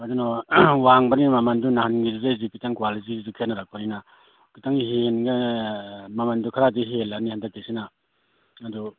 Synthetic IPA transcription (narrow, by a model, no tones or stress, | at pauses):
adunɔwaŋbanimamandunahanɡizuzazipitaŋkwalit̬izukʰenaɾak̚panina | kɯtaŋɦenɡa | mamandukʰaɾadiɦelanihandak̚tisinaː | du